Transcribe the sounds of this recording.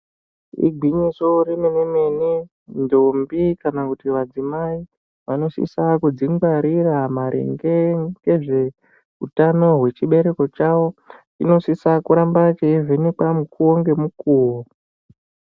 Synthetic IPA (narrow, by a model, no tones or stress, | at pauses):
ḭɡʱiɲiso̞ɾimeneme̞ni | ndombikanakutiʋad͡zimai | ʋano̞sḭsakud͡ziŋɡwaɾiramaɾʔḛŋɡeɡe̞ʐe̞ | utano̞ɦwe̞t͡ʃiɓe̞ɾe̞ko̞t͡ʃawo̞t͡ʃino̞sisakuɾambat͡ʃeivenekamukʰuwoŋɡe̞mukuːwo